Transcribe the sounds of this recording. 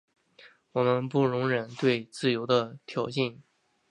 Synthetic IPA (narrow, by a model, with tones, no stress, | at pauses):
wɔ˨˩mə˦npu˥˩ɻʊ˧˥ŋɻə˨˩nt̪we˥˧ɪt͡sɹ̩˥˩jo˧˥ʊd̪ə˧t̪ʰjɑ˨˥ʊɕi˥˩n